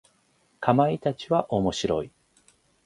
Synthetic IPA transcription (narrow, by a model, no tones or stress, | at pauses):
kʰamait̪at͡ɕiβaʔo̞mo̞ɕiɾo̰i